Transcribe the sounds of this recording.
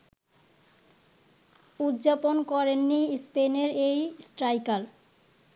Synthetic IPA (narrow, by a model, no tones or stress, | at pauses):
ud̪d͡ʑaponkɔɾenːispeneɾejsʈɾajkal